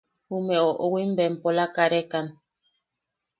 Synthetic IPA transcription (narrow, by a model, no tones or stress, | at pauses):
umɛoʔowimbɛm̩polakaɾekan